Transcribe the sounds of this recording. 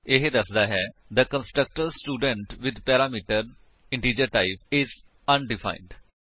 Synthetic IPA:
eɦd̪əsd̪aːɦɛːd̪əkə̃nsʈɾək̚ʈəɾsʈuːɖə̃ɳʈʋɪd̪pɛːɾaːmiːʈəɾ | ɪ̃ɳʈiːd͡ʒəɾʈaɪpɪz | ə̃nɖɪfʰã̰ɪ̃nɖ

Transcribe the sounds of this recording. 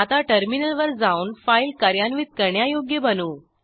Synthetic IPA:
at̪aʈəɾminəlʋəɾd͡zaunfailkaɾjanʋiːt̪̚kəɾɳjajoɡjebənuː

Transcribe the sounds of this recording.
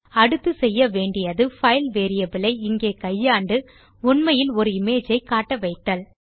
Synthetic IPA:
ɐɽɯt̪ːɯsɛjːɐʋeːɳɖɪjɐðɯfɐɪlʋeːɾɪjɐbɪlɐɪɪŋɡeːkɐjːaːɳɖɯ | ʊɳmɐjɪlɔɾɯɪmeːd͡ʒɐɪkaːʈːɐʋɐɪt̪ːɐl

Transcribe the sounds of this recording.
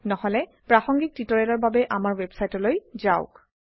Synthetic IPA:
nɔhɔlɛpɹaxɔŋɡik̚titɔɹɛlɔɹbabɛʔamaɹwebsajtɔlojzaʊk

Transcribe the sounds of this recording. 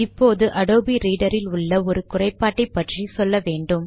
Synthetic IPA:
ɪpːoːðɯʔɐɽoːbiɾiːɽɐɾɪlʊɭːɐɔɾɯkʊrɐɪpːaːʈːɐpːɐʈrisɔlːɐʋeːɳɖɯm

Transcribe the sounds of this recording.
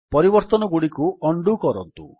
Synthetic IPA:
pɔɾibɔɾt̪ɔnɔɡuɽikuɔɳɖukɔɾɔnt̪ṵ

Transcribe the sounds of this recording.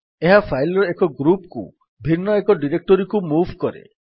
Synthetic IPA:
eɦapʰajlɔɾekɔɡɾupkṵ | bʱinːɔekɔɖiɾek̚ʈɔɾikumubʱkɔɾḛ

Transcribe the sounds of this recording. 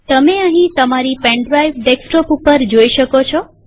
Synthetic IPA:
t̪əmeəɦĩt̪əmaɾipɛ̃ɳɖɾajʋɖeksʈɔpupəɾd͡ʒoiʃəkot͡ʃʰɔ

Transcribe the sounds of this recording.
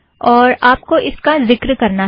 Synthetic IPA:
ɔːɾaːp̚koʔɪskazɪkɾkɐɾna

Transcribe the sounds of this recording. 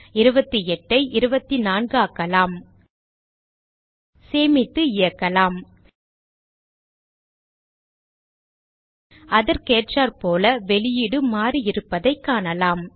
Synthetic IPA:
ɪɾɯbɐt̪ːiɛʈːɐɪʔɪɾɯbɐt̪ːinaːnɡɯaːkːɐlaːm | seːmɪt̪ːɯɪjɐkːɐlaːm | ɐðɐɾkeːʈraːɾpoːlɐʋɛɭɪjɪɽɯmaːɾiɪɾɯpːɐðɐɪkːaːnɐlaːm

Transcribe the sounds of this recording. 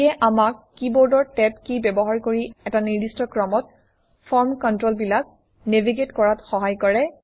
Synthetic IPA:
ɛʔamakːibɔɹdɔɹtɛpkibɛbɔɦaɹkoɹiɛtaniɹdistɔkɹɔmɔt̚ | fʰɔɹmkɔntɹolbilak̚ | neviɡetkɔɹatxɔɦajkɔɹɛ

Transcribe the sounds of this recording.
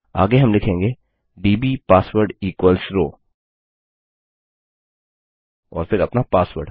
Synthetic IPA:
a̰ːɡeɦɐmlɪkʰẽːŋɡeː | ɖiːbipaːsʋəɾɖiːkwəlsɾoː | ɔ̰ːɾfɪɾɐpnapaːsʋə̰ɾɖ

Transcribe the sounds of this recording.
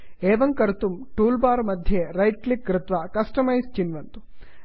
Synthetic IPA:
eːʋɐŋkɐɾt̪umʈuːlbaːɾmɐd̪ʱjeɾɐjʈklik̚ɡɾɪt̪ʋɐkɐsʈɐmɐjst͡ʃinʋɐnt̪u̥

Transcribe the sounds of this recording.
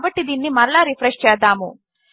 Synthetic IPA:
ʋɐʈːid̪inːimɐɾɐɭaɾifʰɾeʂt͡ʃɛːd̪aːmu

